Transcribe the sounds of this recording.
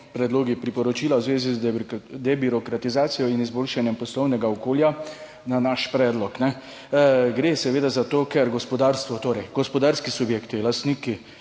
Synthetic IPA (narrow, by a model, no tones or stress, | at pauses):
pɾɛd̪loːɡipɾipɔɾɔt͡ʃiːlawzʋeːzizd̪ɛbiɾɔkɾat̪izaːt̪sijɔinizboːlʃanjɛmpɔslɔwnɛɡaɔkoːlja | nanaʃpɾɛːd̪lɔknɛ | ɡɾeːsɛʋeːd̪azat̪oːkɛɾɡɔspɔd̪aɾst̪ʋɔt̪oːɾɛjɡ̥ɔspɔd̪aɾskisubjekt̪ilast̪niːki